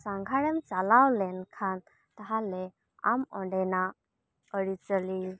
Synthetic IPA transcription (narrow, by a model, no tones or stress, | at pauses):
sãŋɡʱaɽemt͡salawlɛnkʰan | t̪əɦale | a̰mɔ̰̃ɳɖɛna | əɽit͡səli